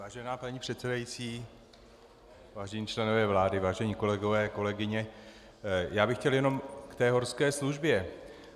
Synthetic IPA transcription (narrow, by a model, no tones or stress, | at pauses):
vaːʒɛnaːpaɲiːpr̥ɛt̪sɛdajit͡siː | vaːʒɛɲiːt͡ʃlɛno̞vɛːvlaːdɪvaːʒɛɲiːko̞lɛɡo̞vɛːko̞lɛɡɪɲɛ | jaːbɪxcɛljɛno̞mkt̪ɛːɦo̞ɾskɛːsluʒbjɛ